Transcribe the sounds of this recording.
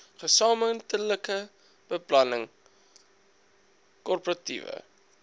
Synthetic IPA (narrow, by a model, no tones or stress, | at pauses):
χəsɑːməntələkə | b̥əplɐnəŋ | kɔrpərɐtḭvə̰